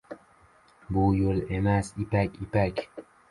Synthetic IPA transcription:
buːjolemæsipækʲipækʲ

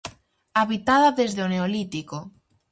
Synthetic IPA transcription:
aβit̪aðaðezðeoneolit̪iko

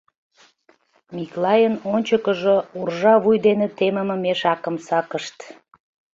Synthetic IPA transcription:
miklɑjənonʲt͡ɕəkəʒourʒɑβujd̪enet̪eməməmeʃɑkəmsɑkəʃt̪

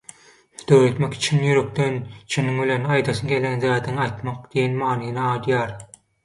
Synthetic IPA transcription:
d̪̥øwɾøt̪meki̥t͡ʃʰinjyɾøk̚d̪ent͡ʃʰiniŋbilʲenɑjd̪ɑʃɯnɡe̞lænzæːd̪iŋɑjt̪mɑqd̪ijenmɑːnɯjnɑɑːd̪jɑːɾ

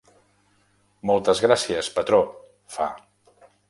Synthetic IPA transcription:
mɔlˠt̪əzɣɾasiəspət̪ɾo | fa̰

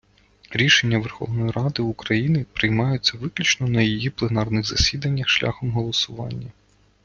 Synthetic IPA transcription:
ɾʲiʃe̞nʲːɐʋerxɔ̰ʋnɔjiɾɑd̪ɪukɾɐjinɪpɾɪjmɑjʊt͡sʲːɐʋɪklʲit͡ʃnɔnɐjijiplˠenɑrnɪɣzɐsʲid̪ɐnʲːɐxʃlʲʔa̰xɔmɦɔlˠɔsʊʋɑ̰nʲːɐ

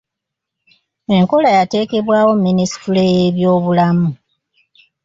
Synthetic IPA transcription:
e̞ŋko̞lajate̞ːke̞βwaːwo̞mːinisi̥tulejeβjo̞ːβulamu

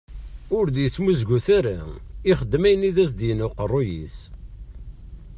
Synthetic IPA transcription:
ʊɾd̪jəsmuzɡuθæɾaiχəd̪ːmæjəniðæs̬d̪jənʊqərˤːojḭs

